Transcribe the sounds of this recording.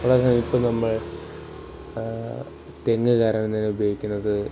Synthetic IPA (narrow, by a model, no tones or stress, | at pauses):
uɭɐsɐmipːɐnɐmːɐɭ | t̪eŋːɨkaːɾɐːɳɐnt̪ineubjoːɡikʲːunːɐðɨ